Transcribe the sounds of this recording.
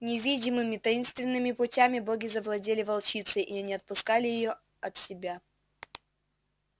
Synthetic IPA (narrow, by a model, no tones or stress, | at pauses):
nʲɪvʲidʲɪmɨmʲɪt̪ɐinst̪vʲɪnːɨmʲɪpʊtʲamʲɪboɡʲɪzəvlˠɐdʲelʲɪvɐlˠt͡ɕit̪sɨʔiɐnʲiɐt̪̚pʊskalʲɪjɪjo | ɐt̪sʲɪbʲa